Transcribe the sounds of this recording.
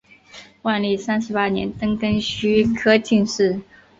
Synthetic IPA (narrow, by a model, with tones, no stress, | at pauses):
wa˥˧nli˥˩sa˥nʂɻ̩˧˥pa˥njɛ̰˧˥nt̪ɤ˥ŋkə˥ŋɕy˥kʰɤ˥t͡ɕi˥˧ŋʂɻ̩˥˩